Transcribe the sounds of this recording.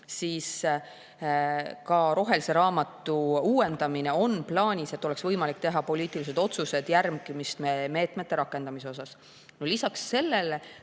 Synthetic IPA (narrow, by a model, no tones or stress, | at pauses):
siːs | kɑɾo̞ɦe̞lise̞ɾɑːmɑt̪ːˑuuːe̞nd̪̥ɑmine̞o̞nplɑːnʲise̞t̪ːˑo̞le̞ksvɤjmɑlikt̪e̞ɦɑpo̞liːt̪ˑilis̬e̞d̪̥o̞t̪suse̞d̪̥jærmɡ̥imist̪meme̞ːt̪ˑme̞t̪ːe̞ɾɑkːˑe̞nd̪ɑmis̬eo̞sɑs | nolisɑksːe̞lːele